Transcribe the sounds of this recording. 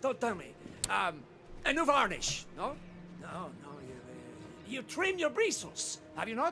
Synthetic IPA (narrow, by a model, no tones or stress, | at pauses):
d̥õtɛlˠmḭʌm | ɨnuvɑɹnɪ̰ʃnoʊ | noʊnoʊjɨ | jɨtʰɹ̥ɪ̃mjə˞ɹis̩s | hə̰vjɨnɔ